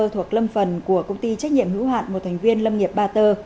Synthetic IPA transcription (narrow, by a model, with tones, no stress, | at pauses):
t̪ʰwək̚lə˧mfə˨˩nku˧˩əkə˧wŋ͡mt̪i˧t͡ɕa˦˥k̟̚ɲḭ˧˨əmhḭ˧˥wha̰ː˧˨nmo˨˩t̚t̪ʰa˨˩ŋ̟vi˧ənlə˧mŋi˨˩əp̚ɓaː˧t̪əː˧